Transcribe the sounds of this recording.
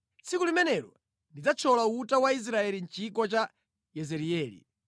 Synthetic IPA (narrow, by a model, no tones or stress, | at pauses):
t͡sʰikulimɛnɛɾɔ̰ | ndid͡zat͡ʃʰɔlautawais̬ɾaɛlin̩t͡ʃikɔt͡ʃa | jɛzɛɾiɛːlḭ